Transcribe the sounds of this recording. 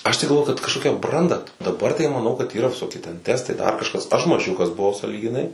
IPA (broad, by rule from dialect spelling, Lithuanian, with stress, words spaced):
ˈɐʃ tɐɪ ɡɐlˠˈʋoːjʊ kɐt kɐʃˈkoːkʲɛ ˈbrɐndɐ dɐˈbɐr tɐɪ mɐˈnɐʊ kɐt iːˈrɐ ʋʲɪˈsoːkʲɪ tʲɛn ˈtʲæːstɐɪ dɐr kɐʃˈkɐs ɐʃ mɐˈʒʲʊkɐs bʊˈʋɐʊ sɑːlʲiːɡʲɪˈnɐɪ